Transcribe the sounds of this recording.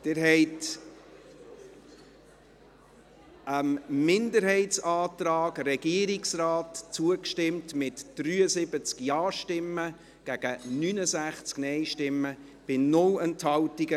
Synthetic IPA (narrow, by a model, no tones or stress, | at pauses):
d̥ɪɾɦɛɪt | əmmɪndəɾɦɛɪtsɑːtɾɑːɡrɛɡ̥iəɾɪksraːtt͡suəkʃtɪmtmɪtd̥ɾyːəsɪbət͡skjɑːʃtɪmːə | ɡ̥æɡ̥ənynəsæχt͡sknɛɪʃtɪmːə | b̥ɪnʊlɛnthɑltiɡə